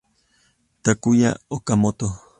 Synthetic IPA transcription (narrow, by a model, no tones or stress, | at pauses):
t̪akuja̰okamot̪o